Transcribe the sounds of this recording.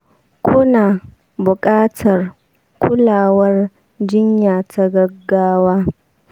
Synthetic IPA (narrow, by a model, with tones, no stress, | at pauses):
kʷʰʊ˦naː˨ | bʊ˨kʼaː˦tʰɐ˨r | kʷʊ˦laː˨wɐ˦r | d͡ʒɪ˦ɲjaː˨tʰa˦ɡɐ˦ɡːaː˦waː˦